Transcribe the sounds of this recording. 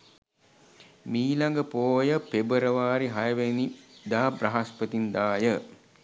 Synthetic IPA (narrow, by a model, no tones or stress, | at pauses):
miːlaŋɡəpoːjəpebəɾəʋaːɾiɦajəʋenid̪aːbraɦaspət̪ind̪aːjə